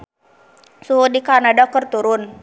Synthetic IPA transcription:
suɦʊdikarnadakərt̪uɾʊn

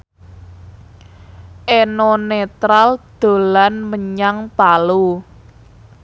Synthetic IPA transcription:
ʔenɔnet̪ɾald̪̥o̤lanməɲaŋpalu

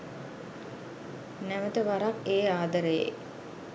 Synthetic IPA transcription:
næʋət̪əʋaɾakeːaːd̪əɾəjḛ

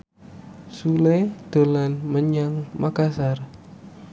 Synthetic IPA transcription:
suled̪̥ə̤lanməɲaŋmakasar

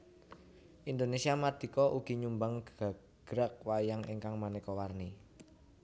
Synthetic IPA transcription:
ʔind̪onesiamad̪̥i̤kɔʔuɡ̥i̤ɲumbaŋɡɡ̥a̤ | ɡ̥ɾak̚wajaŋḭŋkaŋmanikɔwarni

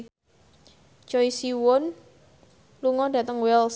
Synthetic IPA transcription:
t͡ʃɔisiwʊn | luŋɔd̥ä̤t̪əŋwɛls

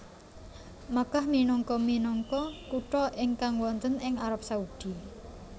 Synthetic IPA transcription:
makahminɔŋkɔminɔŋkɔkuʈɔʔɪŋkaŋwɔnt̪ənɪŋaɾap̚saud̪̥i̤

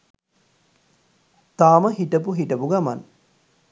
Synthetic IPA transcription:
t̪aːməɦiʈəp̬uɦiʈəpuɡama̰n

